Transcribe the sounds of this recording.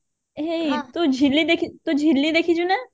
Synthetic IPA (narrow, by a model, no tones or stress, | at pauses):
ɦeit̪ud͡ʒʱilːid̪eːkʰit̪ud͡ʒʱilːid̪eːkʰid͡ʒunɛ